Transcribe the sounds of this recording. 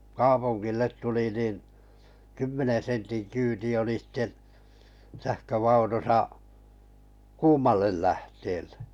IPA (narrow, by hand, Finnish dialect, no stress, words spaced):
kɑːpuŋɡ̊ilːet tuli nin kymːenen̞ sentin kyːti oli sĭte sæhkøʋɑunusɑ kuːmɑlːel læhteːlːe̥